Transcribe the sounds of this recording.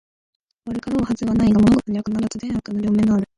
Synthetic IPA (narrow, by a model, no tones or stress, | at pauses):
βaɾɯ̟kaɾoːhazɨβanaiɡamo̞no̞ɡo̞t̪o̞ɲ̟iakɯnaɾat͡sɨd̪ẽɰ̃akɯnoɾʲo̞ːmẽ̞ŋɡaaɾɯ̟